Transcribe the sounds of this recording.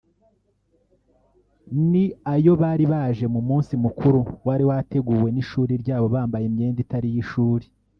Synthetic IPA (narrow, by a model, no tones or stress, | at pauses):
niajo̞βaːɾiβaːʒe̞mumuːnsimukuɾuwaɾiwate̞ɡuːwe̞niʃuːɾiɾɟaːβo̞βaːmbajemɲe̞ːnditaɾijiʃuːɾi